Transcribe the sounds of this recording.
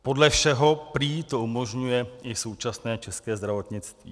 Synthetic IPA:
podlɛfʃɛɦo̞pɾiːt̪o̞ʔumo̞ʒɲujɛʔɪso̞wt͡ʃasnɛːt͡ʃɛskɛːzd̪ɾavo̞t̪ɲɪt͡st̪vḭː

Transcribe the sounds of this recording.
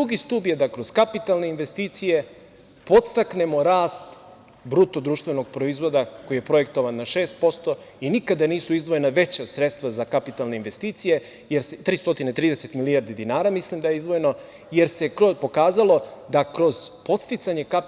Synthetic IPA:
uɡist̪uːbje̞d̪akɾo̞zkapit̪alne̞inʋe̞st̪iːt̪sije̞ | po̞t̪st̪akne̞mo̞ɾaːst̪ | bɾut̪od̪ɾuːʃt̪ve̞no̞ɡ̚pɾo̞izʋo̞d̪ako̞jije̞pɾo̞je̞k̚t̪o̞ʋanːaʃeːst̪̚po̞st̪o̞inikad̪aniːsuizd̪ʋo̞jenaʋe̞t͡ɕasɾet̪st̪ʋazakapit̪alˠne̞inʋe̞st̪iːt̪sije̞ | jeɾset̪ɾiːst̪o̞t̪inet̪ɾiːd̪ese̞t̪milijaɾd̪id̪inaːɾamislimd̪ajeizd̪ʋo̞je̞no | je̞ɾse̞kɾopo̞kaːzalˠo̞d̪akɾo̞z̥po̞t̪st̪it̪saɲe̞kap

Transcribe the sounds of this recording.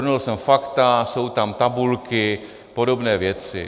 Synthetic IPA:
nulsɛmfakt̪aso̞wt̪amt̪abulkɪ | po̞do̞bnɛːvjɛt͡sɪ̰

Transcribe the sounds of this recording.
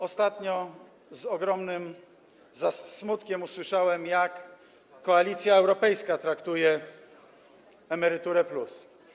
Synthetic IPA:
ɔst̪at̪ɲɔ | zɔɡɾɔmnɘm | zasmut̪kʲɛmuswɘʂawɛmjakː | ɔalʲit̪sʲjaɛwɾɔpɛjskat̪ɾakt̪ujɛ | ɛmɛɾɘt̪uɾɛplus

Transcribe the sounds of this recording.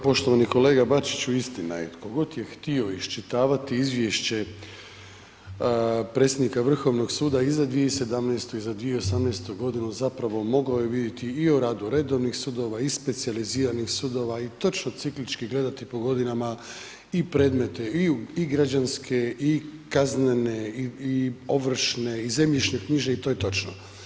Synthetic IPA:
po̞ʃt̪o̞ʋaniko̞le̞ːɡabat͡ʃi̥t͡ɕuist̪ina̰jet̪koɡo̞t̪je̞xt̪io̞iʃt͡ʃit̪aːʋat̪iizʋjeʃt͡ɕe̞ | pɾe̞t̪sʲjed̪nikaʋr̩xo̞ʋno̞ɡsuːd̪aizad̪ʋijese̞d̪amnejst̪oizad̪ʋieo̞samneːst̪oɡo̞d̪inuzapɾaʋo̞mo̞ɡojeʋid̪jet̪iːoɾaːd̪uɾe̞d̪o̞ʋnixsuːd̪o̞ʋaispe̞t̪sializiːɾanixsud̪o̞ʋait̪o̞t͡ʃnot̪siklit͡ʃkiɡle̞d̪at̪ipo̞ɡo̞d̪inama | ipɾe̞ːd̪me̞t̪eiiɡɾad͡ʑanskʰe̞ikaznene̞iio̞ʋr̩ʃne̞ize̞mʎiʃnekɲiːʒe̞it̪o̞jet̪o̞t͡ʃno

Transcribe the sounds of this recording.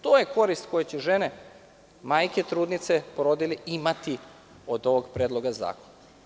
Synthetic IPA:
t̪oːjeko̞ɾist̪ko̞jet͡ɕɛʒene | maːjket̪ɾuːd̪nit̪sepoɾod̪iliimat̪i | od̪o̞ʋoɡpɾeːd̪lˠo̞ɡaza̰ːkona

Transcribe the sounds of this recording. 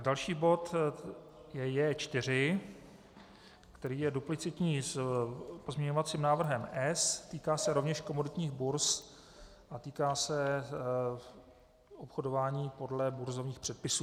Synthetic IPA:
dalʃiːbo̞t̪ | jɛjɛːt͡ʃt̪ɪr̝ɪ | kt̪ɛɾiːjɛduplɪt͡sɪt̪ɲiːspozmɲɛɲo̞vat͡siːmnaːvr̩ɦɛmʔɛst̪iːkaːsɛɾo̞vɲɛʃko̞mo̞dɪt̪ɲiːɣbuɾs | ʔat̪iːkaːsɛ | ʔopxo̞dovaːɲiːpo̞dlɛbuɾzo̞vɲiːxpr̥ɛt̪̚pɪsuː

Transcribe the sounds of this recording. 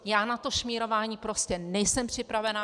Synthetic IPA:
jaːnat̪o̞ʃmiːɾo̞vaːɲiːpɾo̞scɛnɛjsɛmpr̝̥ɪpɾavɛna

